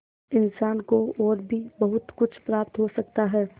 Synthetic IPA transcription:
ɪnsaːnkoɔːɾbʱibɐɦʊt̪kʊt͡ʃʰpɾaːp̚t̪ɦosɐk̚t̪aɦɛː

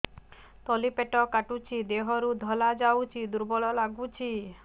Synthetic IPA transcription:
t̪ɔlipeʈɔkaʈut͡ʃʰid̪eɦɔɾud̪ʱɔlad͡ʒawt͡ʃʰid̪uɾbɔɭɔlaɡut͡ʃʰi

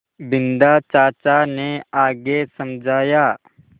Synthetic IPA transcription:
bɪ̃nd̪at͡ʃaːt͡ʃaneaːɡesɐmd͡ʒʱaːjaː

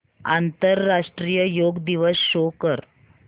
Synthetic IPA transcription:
a̰nt̪əɾːaʂʈɾijəjoɡd̪iʋəsːokəɾ

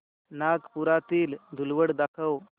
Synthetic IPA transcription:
naɡpuɾat̪iːld̪ʱulʋəɽd̪akʰəw

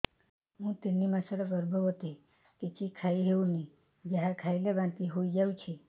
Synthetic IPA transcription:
ɦũt̪inːimãsəɾəpəɾbʱəʋət̪e | kit͡ʃikʰaiɦeũni | d͡ʒəɦãkʰailebãnt̪iɦoid͡ʒaũt͡ʃʰi

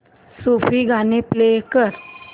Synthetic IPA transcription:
sofiːɡʱaneplekəɾ

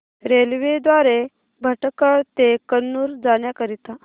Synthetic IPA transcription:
ɾelʋed̪ʋaɾe | bʱəʈkəɭt̪ekənːuːɾd͡zaɽjakəɾit̪a

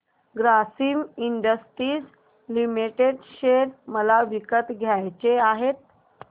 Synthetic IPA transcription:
ɡɾasiːmiɳɖəsʈɾiːs | limiʈeɖɕeɾməlaʋikət̪ɡʱjajt͡seaɦet̪̚

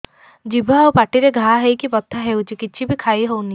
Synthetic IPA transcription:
d͡ʒibʱaawpaʈiɾeɡʱaɦɦejkipɔt̪ʰːaɦewt͡ʃʰikiːt͡ʃʰibikʰajɦowni

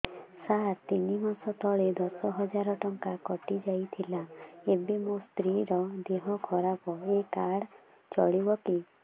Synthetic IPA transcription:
sat̪inimasɔt̪ɔɭed̪ɔsɔɦɔd͡ʒaɾɔʈɔŋkakɔʈid͡ʒajt̪ʰilaebemũst̪ɾiɾɔd̪eɦɔkʰɔɾapɔekaɽ | t͡ʃɔ̰ɭibɔki

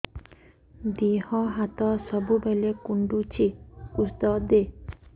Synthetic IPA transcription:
d̪ihɔɦat̪ɔsɔbubelekuɳɖut͡ʃʰikusd̪ɔd̪e

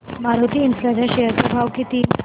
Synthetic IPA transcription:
maɾot̪iːnslad͡ʑaɕeɦəɾpɾəbʱaʋkit̪iː

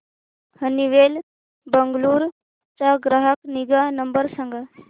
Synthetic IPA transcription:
həniʋeːl | bəŋɡluːɾ | t͡ʃaɡɾaɦəkniɡanəmbəɾsə̃ŋɡa

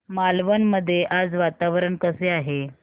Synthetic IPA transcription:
malʋənməd̪ʱːjeʔad͡zʋat̪aʋɾəɳkəseaɦe

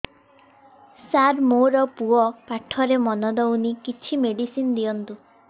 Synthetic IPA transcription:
saɾmoɾɔpuɔpaʈʰːɔɾemɔnɔd̪ɔwnikit͡ʃʰimeɽisinɔd̪iɔnt̪u

